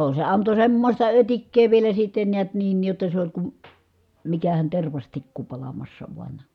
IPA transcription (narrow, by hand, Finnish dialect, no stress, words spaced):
se ɑnto semːosʲtɑ øtikːeː ʋielæ sitːen niæt niːn jotːɑ se olʲ kum mikæhæn terʋɑstikːu pɑlɑmɑsːɑ ʋuɑn